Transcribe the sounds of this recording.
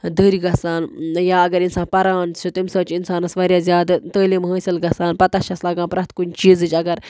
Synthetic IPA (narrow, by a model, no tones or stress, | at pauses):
d̪əːɾiɡɐsaːnjaːɐɡɐɾinsaːnpɐɾaːnsʰut̪imsɐːt͡ʃinsaːnɐsʋɐːɾjaːzʲjaːd̪t̪əːlimɦə̃ːsʲɐlɡɐsaːnpɐt̪ɐʃɐslɐːɡaːpɾɐɦt̪kunʲt͡ʃiːzɨt͡ʃɐɡɐɾ